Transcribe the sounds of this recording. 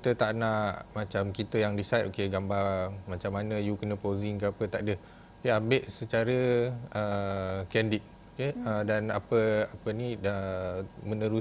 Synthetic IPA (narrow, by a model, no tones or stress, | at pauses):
kit̪ət̪aʔnaʔmat͡ʃamkit̪əjaŋdisajt̪okeɡambarmãt͡ʃamːanə̃jukənə̃poziŋkəapət̪aʔdə | okeambeʔsət͡ʃaɾəəkɛndit̪̚ | okeədanapəapəniəmənə̃ɾu